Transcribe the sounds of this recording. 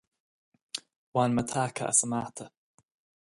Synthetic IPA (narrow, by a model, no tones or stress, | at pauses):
wanmət̪ʰakʰa̰ʔə̰səmat̪ʰə